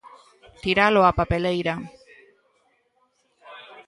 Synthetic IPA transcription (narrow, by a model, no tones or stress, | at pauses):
t̪iɾaloapapelejɾa